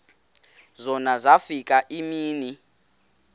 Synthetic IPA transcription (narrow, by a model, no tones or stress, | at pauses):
zɔnazafik̬ʼaʔimiːni